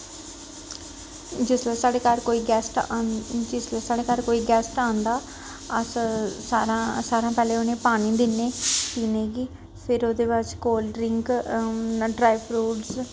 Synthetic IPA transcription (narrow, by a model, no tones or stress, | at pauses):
d͡ʒɪsesaːɽeːkaɾkoːiːɡɛːsʈd͡ʒɪslesaːɽeːkaɾkoːiːɡɛːsʈaːnd̪aː | əssaːɾãsaːɾãːpɛːleːonẽːpaːɽ̃ĩːd̪ɪnːeːt̪iːneːɡiː | pʰɪɾoːd̪eːpat͡ʃkoːlɖɾɪŋk | ɖɾaːjɪpɾuːɖs